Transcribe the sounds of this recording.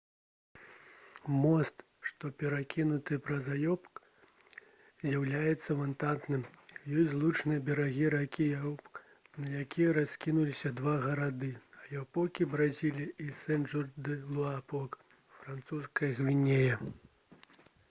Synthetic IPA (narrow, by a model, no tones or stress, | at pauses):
mɔst̪ | ʂt̪ɔpʲɛɾakʲinut̪ɨpɾɐzajɔpk | zʲjawlʲajɛt̪sːɐmɐnt̪ant̪nɨmjɔsʲzlˠut͡ʂnɨjɐbʲɛɾaɣʲiɾakʲijɐɔpk | nɐjakʲijɐɾaskʲinulʲisʲɐd̪vaɣɐɾad̪ɨɐljʲɛwpɔkʲibɾazʲilʲiʔisɛnʐurd̪ɨlˠuapɔk | fɾant̪suskɐjɐɣvʲinʲejɐ